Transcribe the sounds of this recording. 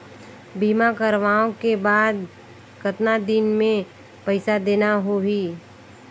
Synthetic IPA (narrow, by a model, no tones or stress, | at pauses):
biːmakəɾʋaːõkebaːd̪ | kət̪nad̪ɪnmẽ | pɛɪsad̪eːnaɦoɦiː